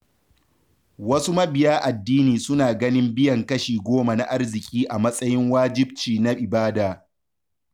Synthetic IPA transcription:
wɐ˦su˦mɐ˦bɪ˨jaː˦ʔa˨dːiː˦niː˨sʊ˦naː˨ɡɐ˦nɪ˦mbɪ˦jɐ˨ŋkɐ˦ʃiː˨ɡʷoː˦ma˨na˦˨ʔa˦rzɪ˨kʲʼiː˦ʔa˨mɐ˦sʼɐ˦jɪ˦ŋwaː˦d͡ʒɪ˦b̚t͡ʃiː˨na˦ʔɪ˨baː˦daː˨

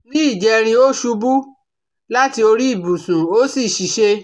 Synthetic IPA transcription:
nĩ˦i˦˨d͡ʒɛ˨˧ɾ̃ĩ˧o˦ʃu˧bu˦ | la˦ti˧o˧ɾi˦i˦˨bu˨sũ˨o˦si˦˨ʃi˨ʃe˧

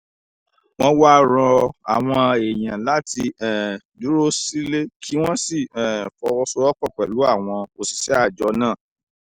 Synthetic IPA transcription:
w̃ɔ̃˦wa˦ɾɔ̃˧a̰˨w̃ɔ̃˧e˨j̃ã˨la˦ti˧ɛ˨ | du˨˦ɾo˦si˦le˦kʰi˦w̃ɔ̃˦si˦˨ɛ̃˨fɔ˧wɔ˧sɔ˧ɔ˦k͡pɔ˦˨k͡pɛ˨lu˨˦a˦˨w̃ɔ̃˧o˧si̥˨sɛ˨˦a˦˨d͡ʒɔ˨˧˦nãː˦˨

